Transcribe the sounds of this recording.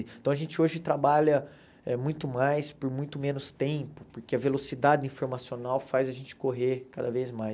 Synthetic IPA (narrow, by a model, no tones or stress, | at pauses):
t̪ɐ̃w̃ɐʒẽnt͡ʃɪoʒɪt̪ɾabaʎɐ | ɛmũj̃t̪ʊmajspoɾmũj̃t̪ʊmẽnʊst̪ẽpʊpoɾkeɐvelosid̪ad͡ʒɪĩfoɾmasionawfajzɐʒẽnt͡ʃɪ̥koɦeɾkad̪ɐvejzmaj